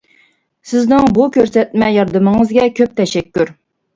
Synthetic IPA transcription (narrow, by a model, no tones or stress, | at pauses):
sɪznɪŋbukʲʰøɾsɛt̪̚mɛjɑɾd̪ɨmɨŋɨzɡʲɛkʲʰøp̚t̪ʰɛʃɛkʲːyɾ